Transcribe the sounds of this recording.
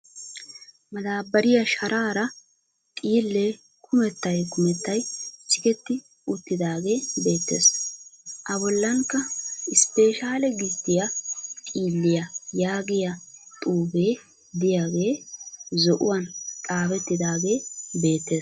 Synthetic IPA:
mɐd̪aːbːɐɾɪjɐʃɐɾʔaːɾɐ | t̪ʼiːlːeː | kʰʊmɛt̪ːɐjkʊmɛt̪ːɐjt͡ʃɪkɛt̪ːɪ | ʊt̪ːɪd̪aːɡe̞ːbe̞ːt̪ːe̞̰ːs | ʔɐbɔlːɐŋkːɐɪspeːʃaːlɛɡɪt̪ːɪjɐt̪ʼiːlːɪjɐjaːɡɪjɐt̪ʼuːbeː | d̪ɪjaːɡe̞ːzɔʔʊ̰wɐnt̪ʼaːbɛt̪ːɪd̪aːɡe̞ːbe̞ːt̪ːe̞ːs

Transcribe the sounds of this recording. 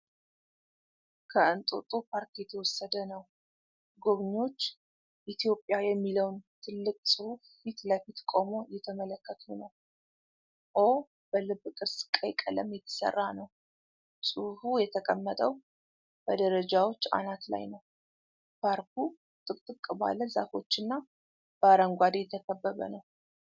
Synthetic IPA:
kʰəɨnt̪ʼot̪ʼupʰaɾkjɛt̪ʰəwɔsːəd̪ənəw | ɡo̞βɲo̞t͡ʃː | ʔit̪ʰjo̞pʼːjajɛmːiləwnt̪ʰɨlːɨkʼsʼɨhuffit̪ləfit̪kʼomo̞jɛt̪ʰəmələkːət̪ʰunəw | ʔo̞ | b̥əlɨbːkʼɨɾsɨ̥kʼːəjkʼːələmjɛt̪ʰə̥sə̰rːanəw | sʼɨhujɛt̪ʰəkʼəmːət̪ʼəw | b̥əd̪əɾəd͡ʒawo̞t͡ʃːa̰nat̪la̰jnəw | pʰaɾkʰu | t̪ʼɨkʼt̪ʼɨkʼːba̰ləza̰fo̞t͡ʃːɨnːa | b̥əaɾəŋɡʷad̪ejɛt̪ʰəkʰəbːəβə̰nəw

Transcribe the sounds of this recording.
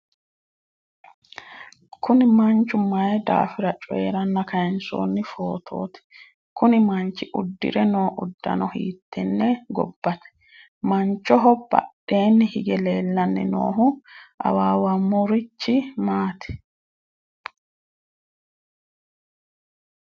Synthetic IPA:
kʰʊnɪmɐnt͡ʃːʊmɐjɛd̪a̰ːfɪɾɐt͡ʃʼɔjḛɾɐnːɐkʰɐjɛnso̰ːnːɪfo̞ːt̪ʰo̞̰ːt̪ɛ̥ | kʊnɪmɐnt͡ʃːɪʔʊd̪ːɪ̰ɾɛnoːʔʊd̪ːɐ̰nɔhḭːt̪ʰːɛnːɛɡɔ̰bːɐt̪ɛ̥ | mɐnt͡ʃːɔɦɔb̥ɐ̰ɗʔe̞ːnːɪhɪɡɛle̞ːlːɐnːɪ̰no̰ːɦʊʔɐ̰waːwɐmɔɾɪt͡ʃːɪmaːt̪ʰɛ̥

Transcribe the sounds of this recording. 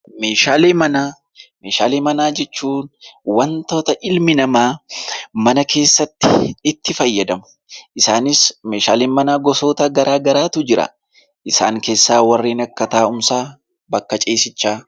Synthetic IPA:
me̞ːʃaːleːmɐnaː | meːʃaːleːmɐnaːd͡ʒɛt͡ʃːuːnwɐnt̪o̞ːt̪ɐʔɪlmɪnɐmaːmɐnɐkʰe̞ːsːɐt̪ːɪ̰ɪt̪ːɪfɐjːɐd̪ɐmʊ̥ | ʔɪsaːnɪsme̞ːʃaːleːnmɐnaːɡɔso̞ːt̪ɐɡɐɾʔaːɡɐɾaːt̪ʊd͡ʒɪɾɐ̰ | ʔɪsa̰ːŋke̞ːsːaːwɐrːeːnɐkːɐt̪aːʊmsaː | bɐkːɐt͡ʃʼeːsɪt͡ʃːaː

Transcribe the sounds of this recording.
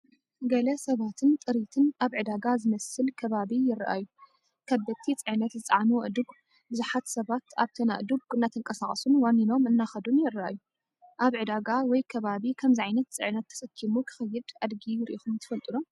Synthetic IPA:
ɡɐlɐsɐβat̪ʰɨnt̪ʼɨɾit̪ʰɨnʔaβʕɨd̪aɡazɨmɐsɨlkʰɐβaβijɪrʔa̰ju | kʰɐbɐt̪ʰːit͡sʼɨʕnɐt̪zɨt͡s̪ʼʕanuʔɨd̪ɨɡ | bɨzuħat̪sɐβat̪aβt̪ʰɐna̰ʔd̪uɡ̚ɨnːat̪ʰɨŋkʼɐsakʼɐsunwanːino̞mɨnːaxɐd̪unjɪrʔa̰ju | ʔaβʕɨd̪aɡawɔjkʰɐβaβikʰɐmziʕajnɐt̪̚t͡sʼɨ̰ʕnɐt̪ʰːɐ̥sɐkʰːimukʰɨ̥xɐjːɪd̪ad̪ɡijɪɾʔixumt̪ʰɨ̥fɐlt̪ʼɨnom

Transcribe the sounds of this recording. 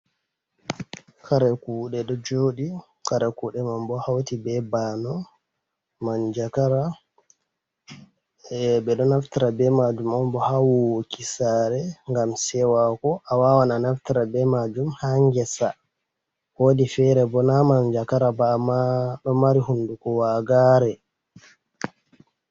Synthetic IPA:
kaɾɛkuɗɛɗɔd͡ʒoɗi | kaɾɛkuːɗɛmambɔhawtibɛbanɔ | mand͡ʒakaɾa | bɛɗɔnaftiɾabɛmad͡ʒumambɔhawokisaɾɛŋɡamsɛwakɔʔawawananaftiɾabɛmad͡ʒumhaŋɡɛsa | wodifɛɾɛbɔnamaɲd͡ʒakaɾabamaɗɔmaɾiɦundukɔwaɡaɾɛ

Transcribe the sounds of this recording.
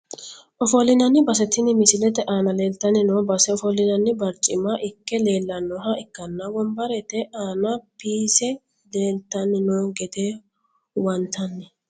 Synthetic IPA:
ʔɔfɔlːɪnɐnːɪbɐsɛt̪ːɪnɪmɪsɪlɛt̪ɛʔaːnɐle̞ːlt̪ːɐnɪnoːbɐsɛɔfɔlɪnɐnːɪbɐɾt͡ʃʼɪmɐʔɪkːɛle̞ːlːɐnːɔɦɐɪkːɐnːɐwɔmbɐɾɛt̪ɛʔaːnɐpiːsɛ | le̞ːlt̪ːɐnːɪnoːɡɛd̪e | wɐnt̪ʰɐnːɛ

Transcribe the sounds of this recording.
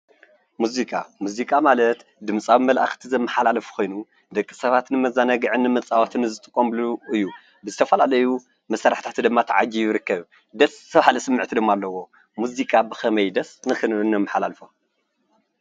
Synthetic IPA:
muzikʼa̰muzikʼamalɐt̪ | d̪ɨmsʼaβmɐlʔaxt̪ʰizɐmːɨħalalɐfu̥kʰʷo̞jnu | d̪ɐkʼːi̥sɐβat̪nɨmɐzanɐɡɨʕɨnːɨmɐt͡sʼawat̪ʰɨnːɨzɨt̪ʼɨkʼːomluɨjːu | bɨzɨt̪ʰɐfɐlalɐju | mɐsaɾaħt̪ʰat̪ʰɨd̪ɨmːat̪ʰaʕad͡ʒijɾɨkːɐβ | d̪ɐst̪ʰɐβhalisɨmːɨʕt̪ʰid̪ɨmːalːɐwo̞ | muzikʼabɨxɐmɐjd̪ɐsnɨxɨnβɨnːɐmːɨħalalfo

